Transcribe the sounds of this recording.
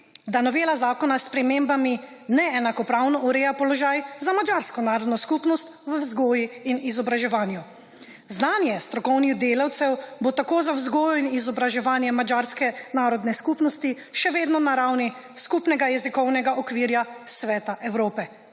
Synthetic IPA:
d̪anɔʋeːlazaːkɔnaspɾɛmembami | nɛɛnakɔpɾawnɔuɾeːjapɔlɔʒaːjzamad͡ʒaːɾskɔnaːɾɔd̪nɔskupnɔst̪ʋəwzɡoːjiinizɔbɾaʒɛʋaːnju | znaːnjɛst̪ɾɔkɔwnid̪eːlawt̪sɛwbot̪akoːzawzɡoːjɔinizɔbɾaʒɛʋaːnjɛmad͡ʒaːɾskɛnaːɾɔd̪nɛskupnɔst̪i | ʃɛʋeːd̪nɔnaɾawni | skupnɛɡajɛzikɔwnɛɡaʔɔkʋiːɾjasʋɛːt̪aʔɛwɾoːpɛ

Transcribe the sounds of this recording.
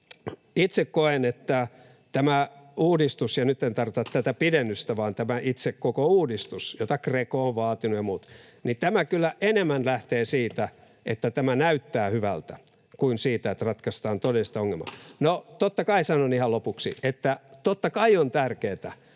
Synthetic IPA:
it̪sekkoenet̪ːæ | t̪æmæuːdist̪usjɑnyt̪ːent̪ɑrʋit̪ɑt̪t̪æt̪æpidenːyst̪æʋɑːnt̪æmæʔit̪sekkokouːdist̪usjot̪ɑkrekooʋʋɑːt̪inujɑmuːt̪ | nit̪æmækylːæʔenemːænlæht̪eːsiːt̪æ | ʔet̪ːæt̪æmænæyt̪ːæːhyʋæ̰lt̪æ | kuinsiːt̪æet̪rɑt̪kɑst̪ɑːnt̪odelist̪ɑoŋːelmɑ̰not̪ot̪ːɑkɑisɑnonihɑlopuksḭet̪ːæt̪ot̪ːɑkɑiont̪ærkeːt̪æ

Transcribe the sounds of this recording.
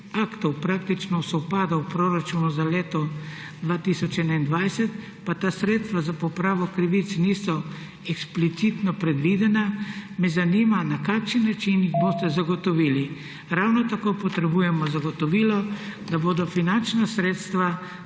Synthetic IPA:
akt̪ɔwpɾak̚t̪it͡ʃnɔsɔwpaːd̪awpɾoɾat͡ʃunuzaleːt̪ɔ | d̪ʋaːt̪isɔt͡ʃɛnaind̪ʋajsɛt̪ | pat̪aːsɾeːt̪st̪ʋazapɔpɾaːʋɔkɾiʋit̪snisɔ | ɛksplit̪sit̪nɔpɾɛd̪ʋid̪ɛnamɛzaniːmanakakʃinːat͡ʃinjiɣboːst̪ɛzaɡɔt̪ɔʋiːli | ɾawnɔt̪akopɔt̪ɾɛbujɛmɔzaɡɔt̪ɔʋiːlɔd̪aboːd̪ɔfinant͡ʃnasɾeːt̪st̪ʋa

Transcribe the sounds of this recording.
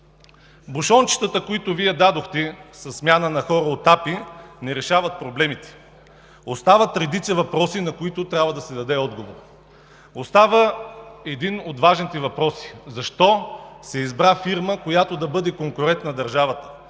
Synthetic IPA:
buʃɔnt͡ʃi̥t̪ət̪əkoit̪oviɛd̪ad̪oxt̪ɛsɐsːmʲjanənɐxɔɾəot̪apinɛɾɛʃavət̪̚pɾoblɛmit̪ɛ̥ | ost̪avət̪ɾɛd̪it̪sɛvɐpɾɔsinɐkoit̪ot̪ɾʲabvɐd̪ɐsɛd̪ɐd̪ɛɔd̪ɡovoɾ | ost̪avəɛd̪inot̪vaʒnit̪ɛvɐpɾɔsi̥zɐʃt̪ɔsɛizbɾafiɾməkojat̪od̪ɐbɤd̪ɛkoŋkoɾɛnt̪nɐd̪ɐɾʒavət̪ə̥

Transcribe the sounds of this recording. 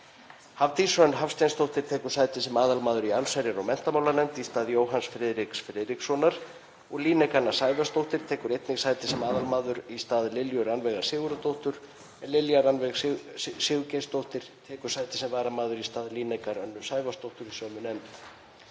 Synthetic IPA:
havt̪isœnɦafst̪ajnst̪owht̪ɪɾ̥t̪ʰɛːkʏɾ̥saːjt̪ɪsɛmaːðalmaːðʏɾialsajɾjaɾɔɣmɛn̥t̪amaːwlaɾnɛmt̪ist̪aːðjoːwɦansfɾɛːðɾiksfɾɛːðɾiksːɔnaɾ̥ | ɔɣliːnɛjkanːasaːjvast̪owht̪ɪɾ̥t̪ʰɛːkʏɾejt̪nɪɣsaːjt̪ɪ̥sɛmaːðalmaːðʏɾist̪aːðlɪljœɾanvɛɣaɾsɪːɣʏɾat̪owht̪ʏɾ̥ | ɛnlɪljaɾanvɛɣsɪːɣʏcenst̪owht̪ɪɾ̥t̪ʰɛːkʏ̥saːjt̪ɪ̥sɛmvaːɾamaːðʏɾist̪aːðliːnɛkaɾœnːʏsaːjvast̪owht̪ʏɾisœːmʏnɛnt̪

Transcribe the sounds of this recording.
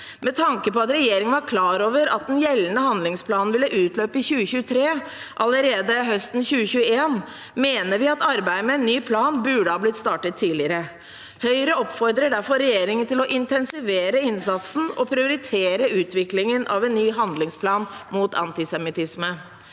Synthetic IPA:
mɛt̪ʰɑŋkəpɔɑt̪ɾɛjeːɾɪŋənʋɑɾkʰlɑːɾoːʋəɾɑt̪̚d̪ɛnjɛlənəhɑnd̪lɪŋspʰlɑːnn̩ʋɪlːəʔʉːt̪løːpəɪçʉːəçʉːət̪ʰɾeː | ʔɑləɾeːd̪əɦœst̪n̩çʉːəçʉːəeːn | meːnəɾʋɪɑt̪ɑɾbæɪəmɛɛnːyːpʰlɑːnbʉɖəhɑːblɪt̪st̪ɑːʈət̪ʰːiːlɪəɾə | hœʏɾəɔpfɔɾd̪ɾəɖæɾfɔɾɛjeːɾɪŋənt̪ɪlɔʔɪnt̪ʰɛnsɪʋeːɾəɪnsɑt̪sn̩ɔ̰pʰɾɪʊɾɪt̪ʰeːɾəʉːt̪ʰʋɪklɪŋənʔɑ̰ʋɛnːyːɦɑnd̪lɪŋspʰlɑːnmuːt̪ɑ̰nt̪ɪsɛmɪt̪ɪsmə

